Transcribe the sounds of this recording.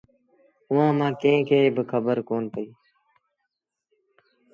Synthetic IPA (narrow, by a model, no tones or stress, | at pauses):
ʊʋãːmãːkẽɪ̃kʰeːbəkʰəbəɾkoːnpəiː